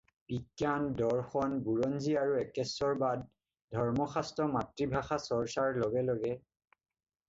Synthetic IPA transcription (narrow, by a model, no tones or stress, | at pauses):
bikːjandɔɹxɔnbuɹɔnziaɹuɛkɛsɔɹbad̚ | dʱɔɹmɔxastɔmatɹibʱaxasɔɹsaɹlɔɡɛloɡɛ